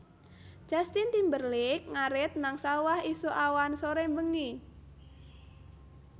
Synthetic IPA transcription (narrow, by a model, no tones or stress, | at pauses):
d͡ʒ̥a̤st̪int̪imbərlɪk̚ŋaɾɪt̪̚naŋsawahisuʔawansoɾembəŋi